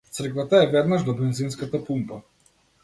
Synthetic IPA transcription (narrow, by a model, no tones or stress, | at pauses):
t̪sr̩kvat̪aɛvɛd̪naʒd̪ɔbɛnzinskat̪apumpa